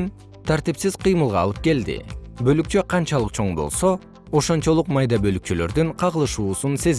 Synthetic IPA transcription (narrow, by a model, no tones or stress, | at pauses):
n | t̪ʰaɾt̪ipsizqʰɯjmɯlˠʁɑ̰lˠɯp̚ke̞ld̪ḭbø̞lyk̚t͡ʃøqʰɑnt͡ʃɑlˠɯqt͡ʃʰo̞ɴbo̞̰lˠso̞ | oʃo̞nt͡ʃo̞lˠuqmɑjd̪ɑbø̞lyk̚t͡ʃylø̞̰ɾd̪yɴqʰɑʁɯlˠɯʃuːsunse̞z